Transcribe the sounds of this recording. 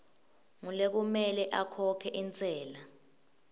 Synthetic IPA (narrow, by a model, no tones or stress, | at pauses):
ŋulek̬umɛlɛʔakʰɔkʰɛʔint͡sʼɛːla